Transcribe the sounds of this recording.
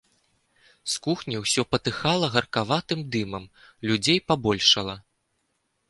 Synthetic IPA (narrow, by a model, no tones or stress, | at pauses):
skuxnʲiwsʲɔpɐt̪ɨxalˠɐɣɐrkavat̪ɨmd̪ɨmɐm | lʲud͡zʲejpabɔlʲʂɐlˠɐ